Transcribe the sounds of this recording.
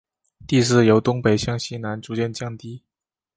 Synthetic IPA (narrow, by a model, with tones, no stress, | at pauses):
t̪i˥˧s̬ɹ̩˥˩jo˧˥ʊt̪ʊ˥ŋpe˨˩ɪɕjɑ˥˩ŋɕi˥na˧˥nʈ͡ʂu˧˥t͡ɕjɛ˥˧nt͡ɕjɑ˥˩ŋt̪i˥